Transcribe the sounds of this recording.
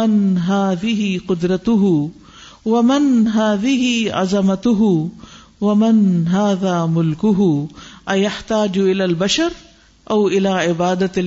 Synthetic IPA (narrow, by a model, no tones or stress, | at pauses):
ɪnɦaːðɪɦɪqʊd̪ɾˤɑt̪ʊɦʊ | wamɪnɦaːðɪɦɪʕa̰zamat̪ʊɦʊ | wamɪnɦaːðaːmʊlkʊɦʊʔajaħt̪aːd͡ʒʔɪlaːlbaʃɑɾˤ | ʔawʔɪlaːʕɪbaːd̪a